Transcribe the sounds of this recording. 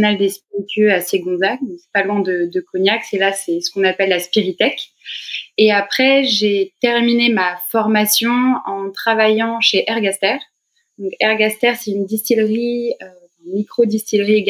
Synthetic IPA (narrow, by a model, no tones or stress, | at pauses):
nald̪espiʁit̪ʰɥøaseɡɔ̃zak̪̚ɛ̃ksɛ̥palwɛ̃d̪əd̪əkɔɲjakselasɛsə̥kɔ̃napɛlːaspiʁit̪ɛk | eapχɛʒet̪ɛʁminemafɔʁmasjɔ̃ɑ̃t̪χavajɑ̃ʃeʔɛʁɡast̪ɛːʁ | d̪̥ɔ̃kɛʁɡast̪ɛʁsɛynd̪ist̪ilʁiø | ɛ̃nmikχod̪ist̪ilʁieɡ